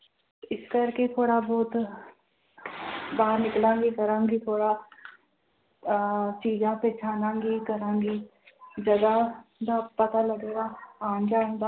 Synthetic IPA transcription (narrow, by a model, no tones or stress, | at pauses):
ɪskɐɾket̪ʰoːɽabɔːt̪ | baːɦəɾnɪklãːŋɡikɐɾãːŋɡit̪ʰoːɽa | t͡ʃiːd͡ʒãpeːt͡ʃʰaːnãːŋɡikɐɾãːŋɡi | d͡ʒɐd̪ad̪apɐt̪alɐɡeːɡaaːnd͡ʒãːnd̪aː